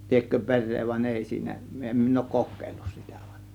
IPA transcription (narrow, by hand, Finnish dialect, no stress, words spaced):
liekːø pe̞rˑeː ʋɑnʲ eˑi siːnæ em min oˑŭk kokˑeˑilːus si̥tæ̥ ʋ̥ɑ̥n̥